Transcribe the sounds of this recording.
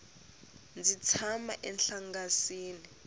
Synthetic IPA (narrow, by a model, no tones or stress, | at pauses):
nd͡zit͡sʰamaʔɛnɬaŋɡasiːni